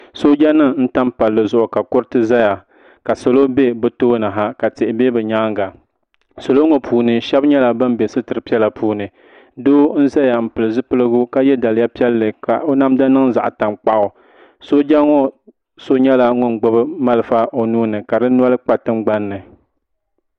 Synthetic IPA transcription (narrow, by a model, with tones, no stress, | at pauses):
so˦d͡ʒa˦nɨ˦ŋn̩˦ta˦mpa˨lːɨ˨zʊ˨ʔʊ˨ka˨kʊ˦ɾɨ˦tɨ˦za˦ja˨ | ka˨so˨lo˦be˦bɨ˨toː˦na˨ɦa˦ka˨tɪ˨ʔɪ˨be˦bɨ˨ɲa˦ŋɡa˨ | so˨lo˦ŋo˨pʰuː˨˦nɨ˨ʃɛ˦bɲɛ˦la˨bɨ˦m˦be˨sɨ˦tɨ˨ɾɨ˨pi˦ɛ˦la˨pʰuː˦nɨ˨ | doː˦n̩˦za˦ja˨m̩˨pɨ˨lɨ˨zɨ˦pɨ˦lɨ˦ɡʊ˦ka˦jɛ˦da˨lɨ˨ja˦pi˦ɛ˦lːɨ˨ka˨ʔo˦na˦mda˦nɨ˦ŋza̰˨ʔta˨mk͡pa˦ʔʊ˨ | so˦d͡ʒa˦ŋo˦ | so˦ɲɛ˦la˦ŋʊ˦nɡ͡bʊ˦bɨ˦ma˦lɨ˨fa˦ʔo˨nuː˦nɨ˨ka˨dɨ˦n˦a˦lɨ˦k͡pa˦tɨ˦mɡ͡ba˦nːɨ˨